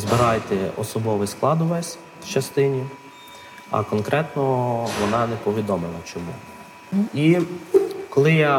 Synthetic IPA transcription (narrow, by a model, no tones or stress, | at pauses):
zbɪɾɑjt̪ɛɔ̰sɔbɔʋɪsklˠɑd̪ʊʋɛsʲ | t͡ʃɐst̪ɪnʲi | ɐ̰kɔnkɾʔɛt̪nɔʋɔnɑnɛpɔʋʲid̪ɔmɪlˠɐt͡ʃɔmṵ | i | kɔlˠɪja